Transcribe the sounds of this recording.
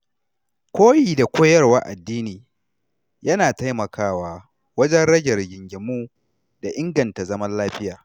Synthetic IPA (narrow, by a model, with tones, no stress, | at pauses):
kʷoː˦jiː˨da˨kʷoː˦jɐ˦rwa˦ʔa˨dːiː˦niː˨ | jɐ˦naː˨ta˦jmɐ˨kʰaː˦waː˨ | wɐ˦d͡ʒɛ˦nɽɐ˦ɡʲɐ˨rɡʲɪ˨ŋɡʲɪ˨muː˦ | da˨ʔɪ˦ŋɡɐ˨nta˨zɐ˦mɐ˦nlaː˦ɸɪ˦jaː˨